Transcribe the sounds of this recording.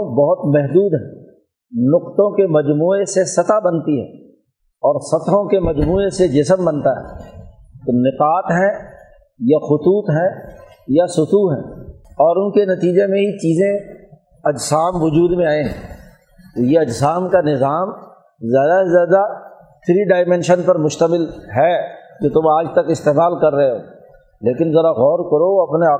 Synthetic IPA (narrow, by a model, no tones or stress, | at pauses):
bɐɦʊt̪mɛɦd̪uːd̪ɦɛ̰̃ː | nʊqt̪õkemɐd͡ʒmuːesesɐt̪abɐnt̪iɦɛ̰̃ː | ɔːɾsɐt̪õkemɐd͡ʒmuːesed͡ʒɪsəmbɐnt̪aɦɛ̰ː | t̪onɪqaːt̪ɦɛ̃ | jaxʊt̪uːt̪ɦɛ̃ | jasʊt̪uɦɛ̰̃ːɔːɾʊnkenɐt̪iːd͡ʒemẽɦit͡ʃiːzẽ | ɐd͡ʒsaːmʋʊd͡ʒuːd̪mẽaːẽɦɛ̰̃ː | t̪ojeɐd͡ʒsaːmkanɪzaːm | zjaːd̪aezjaːd̪a | t̪ʰɪɾiɖaːɪmɛ̃ːnʃənpɐɾmʊʃt̪əmɪlɦɛd͡ʒoːt̪ʊmaːd͡ʒt̪ɐkɪst̪eːmaːlkɐɾːɐɦeɦoː | leːkɪnzɐɾaɣɔːɾkɐɾoɐpnea